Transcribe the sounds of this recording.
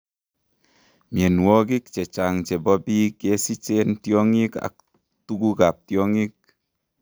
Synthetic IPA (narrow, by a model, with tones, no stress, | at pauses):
mi˨e˨nwo˦k̬i˦k̚t͡ʃe˨t͡ʃa˨ŋt͡ʃe˨bɔ˦bi˦ke˦si˦t͡ʃe˦ntjo˦ŋi˦ka̰˨k̚ | tu˦ku˦ka˨p̚tjo˦ŋi˦k̚